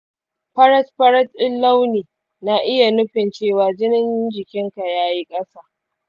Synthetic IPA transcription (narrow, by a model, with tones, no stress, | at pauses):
ɸɐ˦ɾɐ˦tɸɐ˦ɾɐ˦tɪ˦lːa˦wniː˨ | na˦˨ʔɪ˦ja˨nʊ˦ɸɪ˨nt͡ʃeː˦˨waː˨d͡ʒɪ˦nɪ˦nd͡ʒɪ˨kʲɪ˦ŋka˨jaː˦ji˦kʼɐ˦saː˦